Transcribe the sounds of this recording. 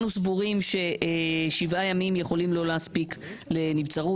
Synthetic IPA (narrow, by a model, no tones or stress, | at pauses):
nusvuʁimʃe̞eʃivajamimje̞χo̞limlo̞leaspikle̞nivt͡saʁu